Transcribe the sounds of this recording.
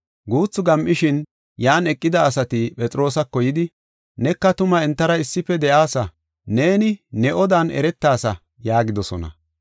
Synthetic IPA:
ɡuːt͡sːʊɡɐmʔɪʃɪn | jaːnɛkʼːɪd̪ɐːsɐt̪ɪpʼɛt͡sʼɾo̞ːsɐkːɔjɪd̪ɪ | nɛkːɐt̪ʊmɐɛnt̪ːɐɾɐɪsːɪfɛd̪ɛʔaːsɐ | ne̞ːnɪnɛʔɔd̪aːnɛ̰ɾɛt̪ːaːsɐ | jaːɡɪd̪ɔsɔ̰nɐ̰

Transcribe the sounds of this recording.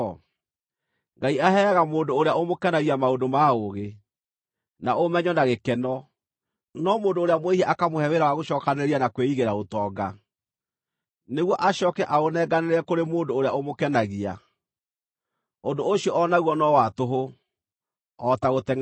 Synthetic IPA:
ŋɡaiaɦɛːɣamoːndoːɾeaomokɛnaɣiamaondomaoɣe | naomɛɲɔnaɣekɛnɔ | nɔmoːndoːɾeamweihɛʔakamohɛweɾawaɣoɕɔːkaneɾianakweiɣeɾaotɔːɡa | neɣwɔʔaɕɔkɛʔaonɛɡaneɾɛkoɾemoːndoːɾeaomokɛnaɣia̰ | ondooɕiɔʔɔnaɣwɔnɔwatoɦo | ɔtaɣotɛŋ

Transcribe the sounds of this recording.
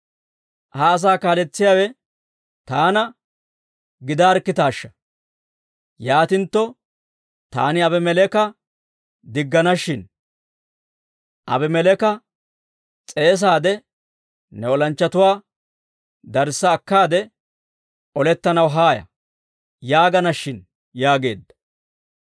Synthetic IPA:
haːɐs̬aːkaːlɛt͡sːɪjaːwɛ | t̪aːnɐ | ɡɪd̪aːɾkːɪt̪aːʃːɐ̥ | jaːt̪ɪnt̪ːɔ | t̪a̰ːnɪɐbɛmɛlɛkɐ | d̪ɪɡːɐnɐʃɪn | ʔɐ̰bɛmɛlɛkɐ | t͡sʼe̞ːs̬aːd̪ɛ | nɛɔlɐnt͡ʃːɐt̪ʊwaː | d̪ɐɾsːɐːkːaːd̪ɛ | ɔlɛt̪ːɐnɐwɦaːjɐ̰ | jaːɡɐnɐʃːɪn | jaːɡe̞̰ːd̪ːɐ̥

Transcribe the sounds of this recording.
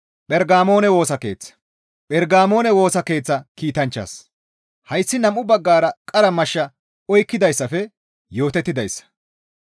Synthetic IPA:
pʼɛɾɡaːmo̞ːnɛwo̞ːsɐke̞̰ːt͡sːɐ̥ | pʼɛɾɡaːmo̞ːnɛwo̞ːsɐke̞ːt͡sːɐkiːt̪ɐnt͡ʃːɐ̰s | hɐjsːɪnɐmːʊbɐɡːaːɾɐkʼɐɾɐmɐʃːɐ | ɔjkːɪd̪ɐjsːɐfɛ | jo̞ːt̪ɛt̪ːɪd̪ɐjsːɐ̥

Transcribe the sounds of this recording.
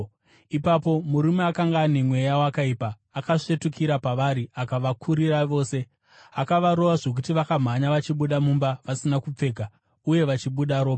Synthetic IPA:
ipapo̞muɾumeakaŋɡaːne̞mwe̞jawakaipaːkaʂe̞tukiɾapaʋaɾiakaʋakʰuɾiraʋo̞ːse̞ | akaʋaɾo̞ʋaʐo̞k̬utiʋakam̤aɲaʋat͡ʃiɓuɗamumbaʋasinakup͡fe̞ɡʱa | uje̞ʋat͡ʃiɓuɗaɾo̞ːɓa

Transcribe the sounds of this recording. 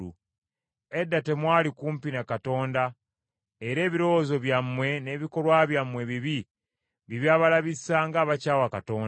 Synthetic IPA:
u | e̞dːate̞mwaːlikuːmpinakato̞ːnda | eɾe̞ːβiɾo̞wozo̞βjamːwe̞ne̞ːβiko̞lwaβjamwe̞βiβi | βiβjaːβalaβisaŋɡaːβacaːwakato̞ːn

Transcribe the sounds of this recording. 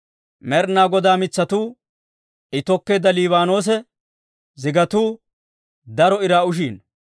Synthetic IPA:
mɛɾnaːɡɔd̪aːmɪt͡sːɐt̪uː | ɪt̪ɔkːeːd̪ɐliːβaːno̞ːs̬ɛ | zɪɡɐt̪uː | d̪ɐɾɔɪɾaːʊʃ̬iːn

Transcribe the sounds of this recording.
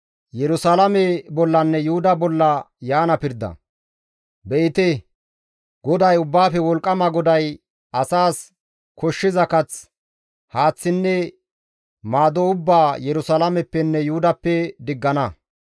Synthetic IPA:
jɛɾʊsalɐmɛbɔlːɐnːɛjʊhʊd̪ɐbɔlːɐ | jaːnɐpɪɾd̪ɐ̰ | bɛʔɪt̪ɛ | ɡɔd̪ɐjʊbːaːfɛwɔlkʼːɐmɐɡɔd̪ɐj | ɐsaːs | kɔʃːɪzɐkɐt͡s | haːt͡sːɪnːɛ | maːd̪oʊbːaːjɛɾʊsalɐmɛpːɛnːɛjʊʊd̪ɐpːɛd̪ɪɡːɐnɐ

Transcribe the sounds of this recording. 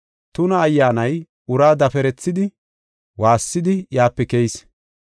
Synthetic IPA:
t̪ʊnɐːjːaːnɐj | ʊɾaːd̪ɐfɛɾɛt͡sːɪd̪ɪ | waːsːɪd̪ɪjaːpːɛkɛjs

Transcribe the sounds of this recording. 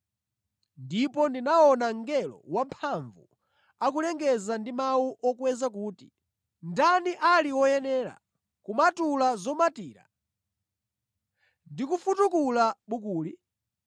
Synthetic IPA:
ndipɔndinaɔnaŋɡɛlɔ̰wampʰaɱvu | akulɛŋɡɛzandimawuʔɔkwɛzak̬uːti̥ | ndaniʔaliwɔjɛnɛːɾa̰ | kumatulazɔmatiːɾa̰ | ndikufutukulaɓukuːli

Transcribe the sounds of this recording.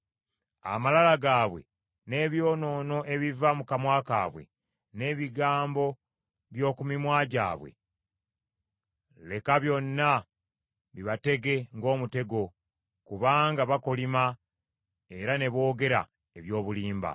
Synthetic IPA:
a̰malalaɡaːβwe̞̰ | ne̞ːβjo̞ːno̞ːno̞ʔe̞βivamukamwaːka̰ːβwe̞̰ | ne̞ːβiɡaːmbo̞ | βjo̞ːkumimwaːɟa̰ːβwe̞̰ | le̞kaβjo̞nːa | βiβate̞ɡe̞ŋɡo̞ːmute̞ɡo̞ | kuβaːŋɡaβako̞lima | e̞ɾane̞βo̞ːɡe̞ɾa̰ | e̞βjo̞ːβuliːmba̰

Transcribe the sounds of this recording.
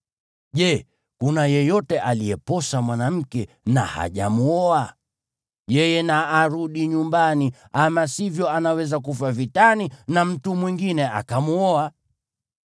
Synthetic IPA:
ʄɛ | kunajɛjɔtɛʔalijɛpɔsamwanam̩kɛ | na̰ha̰ʄa̰muɔa | jɛjɛnaːɾuɗiɲumbani | amasivjɔanawɛzak̬ufavitaninam̩tumwiŋɡinɛʔa̰kamuɔa

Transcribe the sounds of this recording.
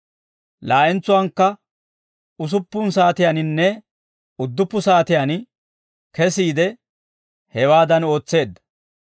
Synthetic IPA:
laːʔɛnt͡sːʊwɐŋkːɐ | ʊs̬ʊpːʊnsaːt̪ɪjaːnɪnːɛ | ʊd̪ːʊpːʊsaːt̪ɪjan | kɛsiːd̪ɛ | hɛwaːd̪ɐno̞ːt͡sːe̞ːd̪ːɐ̥

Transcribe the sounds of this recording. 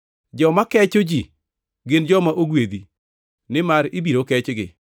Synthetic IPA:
d͡ʒɔmakɛt͡ʃod͡ʒi | ɡɪnd͡ʒɔmaʔoɡwed̪i | nɪmaɾɪbiɾokɛt͡ʃɡɪ̰

